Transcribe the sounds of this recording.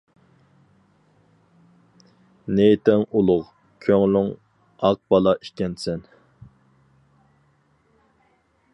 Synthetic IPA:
net̪ɪŋulˠʊʁ | kʲʰøŋlyŋ | ɑq̚bɑlˠɑʔikʲɛnsɛn

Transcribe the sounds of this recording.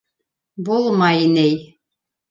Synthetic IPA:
bulˠmɑjinɘj

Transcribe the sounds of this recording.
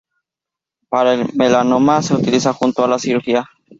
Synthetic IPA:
paɾaelmelanomaseut̪ilisaxunt̪oalasiɾuxia

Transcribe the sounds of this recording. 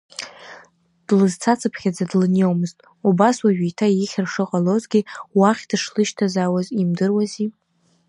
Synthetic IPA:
d̥lɨzt͡sʰat͡sʰapʰχʲad͡zadlɨnewmɨztʼ | ubaswaʒᶣijtʰajiχʲɪrʂɨqʼalozɡʲiwaχʲd̥ɨʂlɨʃtʰazaːwazimdɨrwazi

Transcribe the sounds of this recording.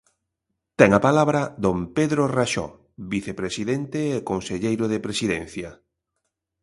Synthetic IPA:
t̪ɛŋapalaβɾɐðompeðɾoraʃɔ̰ | βiθepɾesiðent̪eːkonseʎejɾoðepɾesiðɛn̟θjɐ

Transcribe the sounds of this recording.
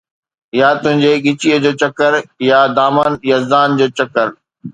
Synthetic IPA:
jat̪ʊɦɪ̃ɲd͡ʑeːɠɪt͡ɕiːəd͡ʑoːt͡ɕɐkəɾjad̪aːmaːnjɐzd̪aːnd͡ʑoːt͡ɕɐkəɾ

